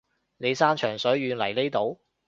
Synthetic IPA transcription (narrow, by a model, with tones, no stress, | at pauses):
ne˨˧jsaː˥nt͡ʃʰœː˨˩ŋsɵ˨˥ɥːyː˨˧nlɐ˨˩jle˥jt̪o˨˥w